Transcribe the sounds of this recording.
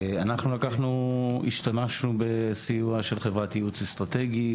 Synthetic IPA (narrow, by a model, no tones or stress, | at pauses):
anaχnulakaχnuḭʃtamaʃnube̞sijuaʃelχevʁat̪ijut͡sist̪ʁat̪e̞ɡi